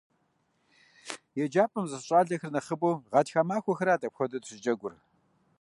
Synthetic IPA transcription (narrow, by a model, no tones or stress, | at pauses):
jɛd͡ʒaːpʼɨmzɐɕʼaːɮɐxɨrnɐχəbʼoːʁɑtxaːmaːxʷɔxɨɾaːtʼɐpxʷɔdɐtɕɪd͡ʒɐɡʷʊr